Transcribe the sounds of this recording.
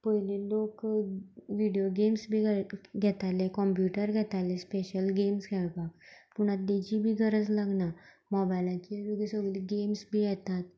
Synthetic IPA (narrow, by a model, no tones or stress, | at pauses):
pəɦilelok | ʋiɖijoɡemsbʱiɡɡʱɛt̪alekɔmpjuʈəɾɡʱɛt̪alẽspeɕəlɡemskʰɛɭpakpuɽ̃at̪̚d̪id͡ʑibʱiːɡʱəɾəd͡zlaɡna | mɔbajlãkiluɡisəɡliɡemsbʱijɛt̪at̪